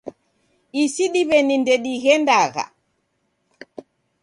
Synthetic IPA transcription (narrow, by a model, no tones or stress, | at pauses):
ʔisiɗibɛnindeɗihɛndaːɣa̰